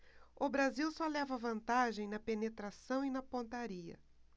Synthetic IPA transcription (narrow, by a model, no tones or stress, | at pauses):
ʊbɾaziwsɔlɛvɐvɐ̃nt̪aʒẽj̃nɐpenet̪ɾasɐ̃w̃inɐpõnt̪aɾiɐ̰